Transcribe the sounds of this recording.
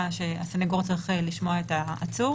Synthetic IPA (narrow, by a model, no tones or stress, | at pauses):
ʃeaseneɡoʁt͡sʁiχeliʃmo̞aetaːt͡su